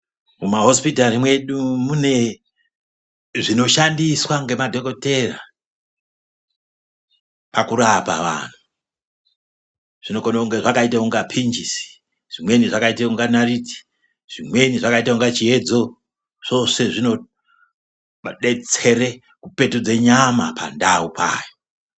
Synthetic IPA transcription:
mumaɦo̞spitarimwe̞ɗumune | ʐino̞ʃandiswaŋɡe̞madʱo̞ko̞te̞ra | pakuɾapa̰ʋa̰n̤u | ʐ̥ino̞konouŋɡe̞ʐakaitauŋɡapʰind͡ʒisi̥ | ʐ̥imwe̞niʐakaitauŋɡanariti̥ | ʐ̥imwe̞niʐakaitauŋɡat͡ʃie̞d͡zo̞ | ʐ̥o̞se̞ʐino̞ | ɗet͡se̞ɾe | kupe̞tud͡ze̞ɲamapʰa̰ndaupʰa̰ːjo

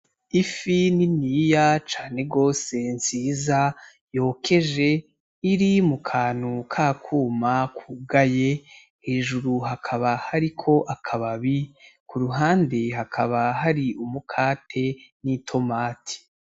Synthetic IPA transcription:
ifininijat͡ʃaːne̞ɡo̞ːse̞nziːza | jo̞ːkʰe̞ʒe̞ | iɾimukʰaːnukʰaːkʰuːmakʰuɡaje̞ | heʒuɾuɦakʰaβahaɾikʰo̞ʔakʰaβaβikʰuɾuɦaːndeɦakʰaβaɦaɾiʔumukʰaːtʰe̞nitʰo̞maːtʰi̥

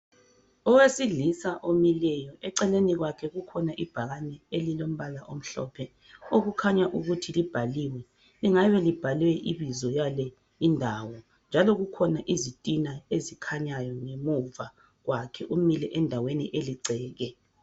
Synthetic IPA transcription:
ɔwesiɮisaʔomilɛjɔʔɛǀɛleniɣwakʰɛɣukʰɔnaʔib̥ʱaɣanɛelilom̩βalaʔom̩ɬɔ̰pʰɛ | oɣukʰaɲaʔuɣutʰilib̥ʱaliwɛ | liŋaβɛlib̥ʱalwɛʔiβizɔjalɛ | indʱawɔ | nd͡ʒʱalɔɣukʰɔnaʔizitʼinaezikʰaɲajɔŋemuva | ɣwakʰɛʔumilɛʔɛndʱaweniʔeliǀɛːɣɛ

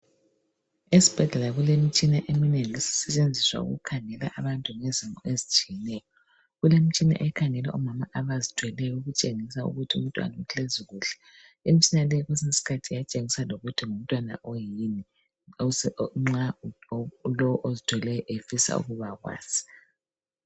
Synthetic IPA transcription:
esi̥b̥ʱɛɮɛlaɣulem̩t͡ʃʼinaʔemineŋilisi̥sɛt͡ʃʼend͡zʱiswa̰ṵɣṵkʰaŋɛla̰ʔaβantʼuŋezimɔʔezit͡ʃʼijɛnɛːjɔ | ɣulem̩t͡ʃʼina̰ʔɛkʰaŋɛlɛ̰ʔɔmamaʔaβazitʰwɛlɛjɔuɣut͡ʃʼeŋisaṵɣutʰiṵm̩tʼwa̰nauɬʰeziɣuːɬɛ̥ | imit͡ʃinalɛɣwɛsesi̥kʰatʰijat͡ʃʼeŋisaloɣutʰiŋum̩tʼwana̰ʔojini | ŋ͡ǁa | lɔwɔʔozitʰwɛlɛjɔʔefisa̰ṵɣuβaɣwa̰ːz̥i̥

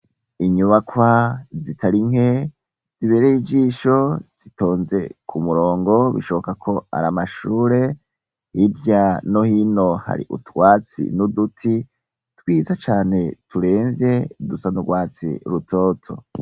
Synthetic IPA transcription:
iɲuβakwazitʰaɾiŋɦe̞ | z̥iβe̞ːɾeid͡ʒiːʃo̞z̥itʰo̞ːnze̞kʰumuɾo̞ːŋɡo̞βḭʃo̞βo̞kakʰo̞a̰ɾamaʃuːɾe̞ | hiɾjano̞hino̞ha̰ɾḭʔṵtwaːt͡sḭnudutʰi | twiːzat͡ʃaːne̞tuɾe̞ːɱzje̞dusanuɡwaːt͡sḭɾutʰo̞ːtʰo̞̰

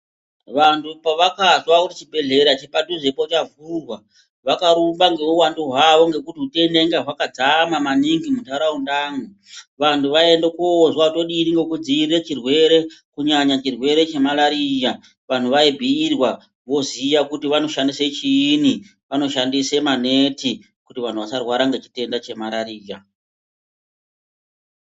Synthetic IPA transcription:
ʋantʰupaʋakazwakuti̥t͡ʃibʱe̞ɮe̞ɾat͡ʃepatuʐe̞pot͡ʃavurwa | ʋakaɾumbaŋɡe̞uwanduɦwaʋo̞ŋɡe̞kutiute̞ndeŋɡaɦwakad͡zamamaniŋɡimutaɾaundaːŋu | ʋantʰuʋae̞ndekoːzwautoɗiːniŋɡekud͡ziiret͡ʃirwe̞ɾe̞kuɲaɲat͡ʃirwe̞ɾe̞t͡ʃe̞malaɾija | ʋan̤uʋaibʱiːrwa | ʋo̞zijakutiʋano̞ʃandiset͡ʃiːni | ʋano̞ʃandise̞mane̞ti | kutiʋan̤uʋasarwaɾaŋɡe̞t͡ʃi̥te̞ndat͡ʃe̞maɾaɾiːja

